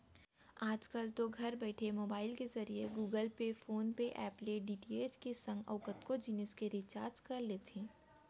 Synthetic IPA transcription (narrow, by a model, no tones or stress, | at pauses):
aːd͡ʒkəlt̪oɡʱɐɾbɛːʈʰemoːbaːɪlkezɐɾieɡuːɡəlpefoːnpeʔɛːpleɖiːʈiːeːt͡ʃkesɐ̃ŋɡɔ̰ːkət̪kod͡ʒiːnəskeɾit͡ʃaːɾd͡ʒkɐɾleːt̪ʰẽː